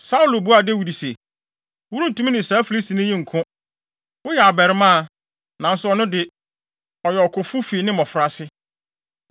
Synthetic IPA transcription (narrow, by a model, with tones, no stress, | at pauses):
sa˦u˦lo˨bu˦a˨de˦wi˨di˨se˨ | wu˦ɾũ˦n̩˨tũ˦mĩ˦nɪ̃˨saː˨˦fi˨li˦sti˨nʊ̃˦jĩ˦ŋ̩˨kʰʊ̃˦ | wʊ˦jɛ˨a˨bɛ˨ɾɪ˦mã˦˨ | nã˨n̩˦sʊ˦ɔ˦nʊ̃˦dɪ˨˦ | ɔ˨jɛ˨ɔ˨kʰʊ˨fu˦fi˨˦nɪ̃˦mɔ̃˨fɾa˨sɪ˦